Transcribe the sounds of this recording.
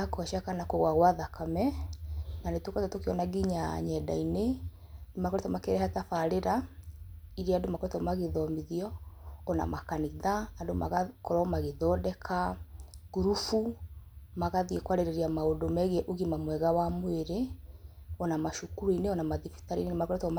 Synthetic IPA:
nakoaʃakanakoɣwaɣwaðakʰamɛ | nanetwokatɔtokeɔnaɡiɲa̰ɲɛda̰inenemakɔɾetɔmakeɾɛhatafaɾeɾa | iɾeandomakɔɾetɔmaɣeðɔmiðiɔːna̰makaniðaːdoma̰ɣakɔɾɔmaɣeðɔdɛkʰaɣuɾufu | maɣaðiekwaɾeɾeɾiamaodomɛɣɛʔoɣimamwɛɣawamweɾe | ɔnamaʃukuɾuineɔnamaðifi̥taɾḭnenemakɔɾɛtɔm

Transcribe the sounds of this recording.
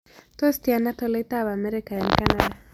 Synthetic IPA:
t̪ɔst̪ianat̪ɔlɛt̪aβamɛɾikaɛnkanada

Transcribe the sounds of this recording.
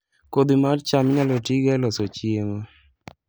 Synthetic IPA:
kod̪imart͡ʃamɪɲalotiɡɛlɔsot͡ʃiema

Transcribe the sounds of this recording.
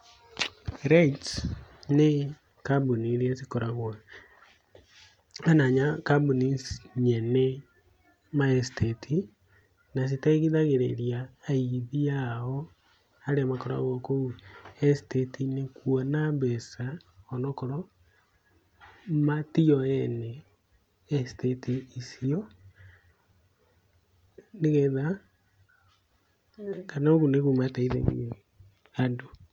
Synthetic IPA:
ɾaitne | kabuniɾiasikɔɾaɣwa | anaɲakabunisɲɛnɛ | maɛstetʰi | nas̬itaiɣiðaɣeɾeɾjaːiðiaɔ | aɾeamakɔɾa̰ɣɔkouɛstetinekwɔnambɛsaɔnɔkɔɾɔ | matiɔɛnɛː | stetʰiisiɔ | neɣɛða | kanaoɣuneɣumataiðḛɣṵ | ando

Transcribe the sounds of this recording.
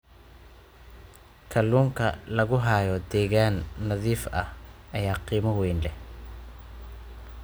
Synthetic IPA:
kʰɐluːŋkʰɐ̰lɐɣʊɦaːjɔd̪ɛːɣaːnːɐðiːfɐhʔɐjaːqiːmɐwɛjnlɛ

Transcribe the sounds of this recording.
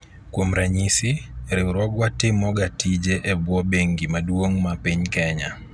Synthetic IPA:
kwomɾaɲisiɾɪuɾɔɡwatɪmɔɡatid͡ʒɛʔɛbwɔbeŋɡimadwoŋmapiɲkɛɲa

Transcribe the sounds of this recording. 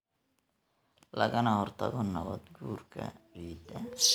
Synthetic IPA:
lɐɣɐnɐhɔrt̪ʰɐðɔnɐβɐd̪ɡuːrkʰɐwiːd̪ɐ

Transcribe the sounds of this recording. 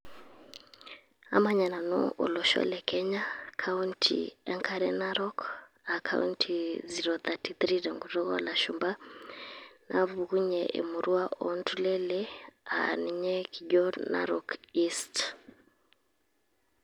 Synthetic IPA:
a̰maɲananɔ̰ʔulɔʃɔ̰lɛkʰɛɲakʰauntʰḭaŋkʰaɾɛnaɾɔk | akʰa̰untʰiziɾɔθatiθɾidaŋɡutɔɣɔa̰laʃumba | naβuɣuɲɛʔḛmuɾuaʔɔntʰulɛlɛa̰nɛɲɛkʰiɟɔna̰ɾɔkist

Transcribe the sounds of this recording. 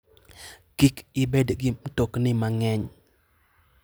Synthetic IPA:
kikɪbedɡɪmtoknɪmaŋɛɲ

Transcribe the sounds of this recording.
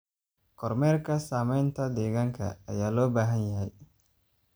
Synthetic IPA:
kɔɾmɛɾkasamɛnt̪ad̪ɛɡaŋka̰a̰jalobaɦanjaj

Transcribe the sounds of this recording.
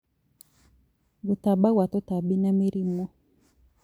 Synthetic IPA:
ɡut̪abawat̪ɔt̪abinamiɾimɔ

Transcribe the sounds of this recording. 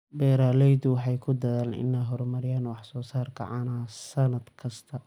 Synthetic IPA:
bɛːɾaːlɛjd̪ʊwɑħɑjkʰʊd̪ɐðaːlɪ̰nːaɦɔɾmɐɾɪjaːnwɑħsɔːsaːrkʰɐ̰ʕɑːnasɐnɐd̪kʰɐst̪ʰɐ

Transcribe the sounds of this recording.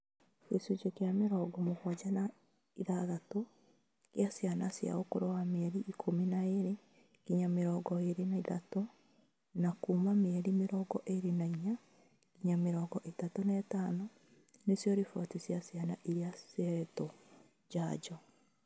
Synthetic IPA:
kesut͡ʃokeameɾɔːɡɔmohwad͡ʒana | iðaðato | kjasjanasja̰okoɾɔwameɛɾiʔikʰominaeɾe | kiɲameɾɔːɡɔeɾenaiðato | nakumameɛɾimeɾɔɡɔʔeɾenaiɲa | kiɲameɾɔːɡɔʔetatonɛɛtaːno | nesjɔɾifɔtisjasjanaʔiɾeaseɾɛtɔ | d͡ʒad͡ʒɔ

